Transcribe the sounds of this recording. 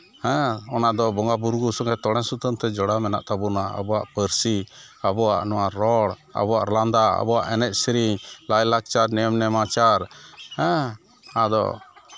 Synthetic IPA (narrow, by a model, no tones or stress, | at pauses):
hɛ̃ɔnaʔd̪ɔbɔŋɡabuɾɡusɔŋɛt̪ɔɽɛnsut̪ənt̪ɛd͡ʒɔɽamɛna̰ʔt̪abunaa̰bɔwaʔpəɾsi | abɔwa̰ʔnɔwaɾɔɽ | a̰bɔwaʔɾland̪aa̰bɔwa̰ʔɛnɛʔ̪̚sɾilajlak̚t͡ʃaɾnɛmnɛmat͡ʃaɾhɛ̃ | ad̪ɔ̰